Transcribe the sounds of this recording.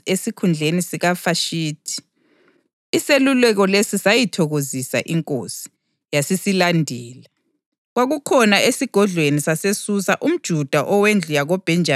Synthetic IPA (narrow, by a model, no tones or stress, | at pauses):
esikʰund͡ɮʱenisiɣafaʃiːtʰi̥ | selulɛɣɔlesisajitʰɔɣozisa̰ʔiŋkʼo̰si̥ | jasisilandʱɛːla | ɣwaɣukʰɔnaesiɡ̥ʱɔɮwenisasesusaʔum̩d̥ʒ̥ʱud̥ʱaʔɔwend͡ɮʱujaɣɔb̥ʱɛnd͡ʒʱa